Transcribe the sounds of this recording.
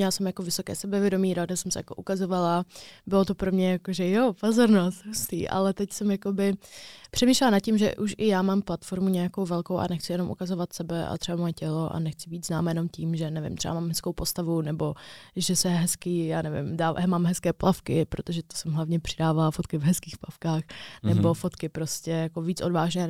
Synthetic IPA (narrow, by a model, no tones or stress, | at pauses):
aːsɛmjakovɪso̞kɛ̰ːsɛbɛvjɛdo̞miːɾoadasɛmsɛ̰jako̰ʔukazo̞valabɪlot̪o̞pɾo̞mɲɛjakoʒɛjopozoɾnost̪ɦust̪ḭːʔa̰lɛt̪ɛcsɛmjako̞bɪpr̥ɛmiːʃlɛlanat̪̚cɪmʒɛ̰ʔuʃʔɪjaːmaːmplat̪fo̞ɾmuɲɛjako̞wvɛlkowʔa̰nɛxt͡sɪjɛno̞mʔṵkazovat̪sɛbɛʔa̰t̪r̥ɛbamojɛcɛlo̞ʔa̰nɛxt͡sɪbiːd̪znaːmajɛnomciːmʒɛnɛvɪ̰mt̪r̥ɛba̰maːmɦɛskowpo̞st̪avunɛbo̞ʒɛsɛɦɛskijaːnɛvɪ̰mdaːmaːmɦɛskɛːplʔafkɪpɾot̪oʒɛt̪o̥sɛmɦlavɲɛpr̝̥ɪdaːvalafot̪kɪvɦɛskiːxplafkaːxnɛbo̞fo̞t̪kɪpɾo̞scɛjakoviːt͡sʔo̞dvaːʒnɛː